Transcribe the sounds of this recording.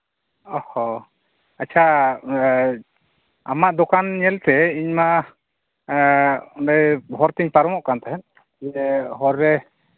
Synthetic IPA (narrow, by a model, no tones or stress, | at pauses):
ɔhɔ | at͡ʃʰa | a̰maʔd̪ɔkanɲɛlt̪ɛiɲma | ɔnɖɛjɦɔɾt̪iɲpaɾɔmɔʔkant̪ɛɦɛn | ɦɔɾːɛ